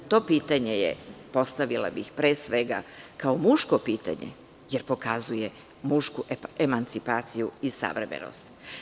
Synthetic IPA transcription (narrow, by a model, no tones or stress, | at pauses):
t̪o̞ːpiːt̪aɲe̞jḛpo̞st̪aʋila̰bixpɾeːsʋe̞ɡa̰kaomuʃkopiːt̪a̰ɲḛ | jeɾpo̞kazuje | muʃkuemant̪sipaːt̪sijuisa̰ʋɾemḛno̰st̪